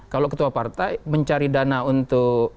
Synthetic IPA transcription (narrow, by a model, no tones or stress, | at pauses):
kalokət̪uapart̪ajməɲt͡ʃaɾidanaunt̪ʊk̚